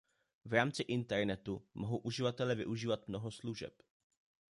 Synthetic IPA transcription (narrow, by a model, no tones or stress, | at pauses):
vɾaːmt͡sɪʔɪnt̪ɛɾnɛt̪umʔoɦowʔuʒɪvat̪ɛlɛvɪ̰ʔuʒiːvat̪mno̞ɦo̞sluʒɛ̰p